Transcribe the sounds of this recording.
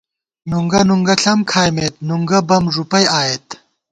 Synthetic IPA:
nuŋɡɐnuŋɡɐɬʰɐmkʰaːjmeːt̪̚nuŋɡɐbɐmʐupɐjaːjet̪

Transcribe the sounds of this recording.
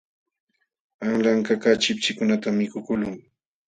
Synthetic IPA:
aŋlaŋkakat͡ʃɪp̚t͡ʃɪkʊnat̪amːɪkʊkʊlʊŋ

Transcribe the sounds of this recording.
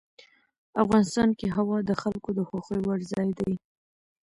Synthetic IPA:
afɣɑnɪst̪ɑnkeɦawɑd̪əxalkod̪əxaxəjwaɽzɑjd̪aj

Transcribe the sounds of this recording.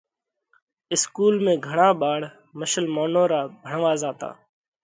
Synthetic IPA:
ɪskuːlmẽːɡʱəɳaːɓaːɽ | məʃəlmoːnõːɾaːbʱəɳʋaːzaːt̪a̰ː

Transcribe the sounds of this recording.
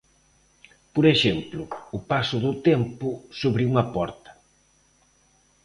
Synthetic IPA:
poɾeʃemplʊːpasʊðʊt̪empʊsoβɾiuŋɐpɔɾt̪ɐ̥

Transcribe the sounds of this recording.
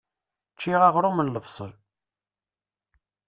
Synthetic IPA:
t͡ʃːiʁaʁɾˤumənləfsˤə̰ɾ

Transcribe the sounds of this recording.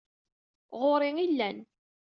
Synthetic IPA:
ʁoɾˤɪŋilːæn

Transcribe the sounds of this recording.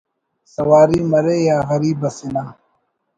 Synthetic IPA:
sɐwaːɾiːmɐɾeːjaːɣɐɾiːbɐsinaː

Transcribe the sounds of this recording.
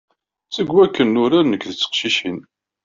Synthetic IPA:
t͡sːəɡwækːənʊɾaɾnəkːðət͡sːə̥qʃiʃin

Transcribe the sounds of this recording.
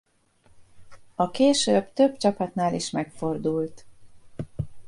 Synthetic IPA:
ɒkeːʃøbt̪ø̞bt͡ʃɒpɒt̪naːlḭʃmɛkfo̞rd̪uːlt̪

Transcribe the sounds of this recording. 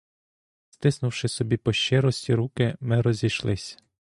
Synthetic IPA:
st̪ɪsnʊwʃɪsɔbʲipɔʃt͡ʃɛɾɔsʲtʲiɾukɪmɛɾɔzʲijʃlˠɪsʲ

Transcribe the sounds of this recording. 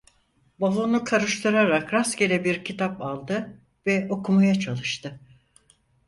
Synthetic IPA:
bavˠunukʰaɾɯʃt̪ʰɯɾaɾakɾasce̞ɾɛbiɾcʰit̪ʰapalˠd̪ɯ | vɛʔo̞kʰumajat͡ʃʰalˠɯʃt̪ʰɯ

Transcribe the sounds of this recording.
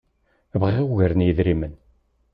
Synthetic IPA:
vʁiuʝəɾənjiðɾimən

